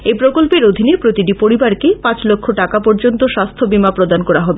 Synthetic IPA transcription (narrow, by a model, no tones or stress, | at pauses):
ejpɾokolpeɾod̪ʱinepɾot̪iʈipoɾibaɾkepãt͡ɕlokʰːoʈakapɔɾd͡ʑont̪oʃast̪ʰobimapɾod̪ankɔɾaɦɔbe